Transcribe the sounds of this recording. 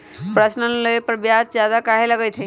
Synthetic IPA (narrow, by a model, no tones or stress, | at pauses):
pɾəsnənləjpəɾbjad͡ʒd͡ʒjad̪akaɦeləɡəjt̪ʰẽ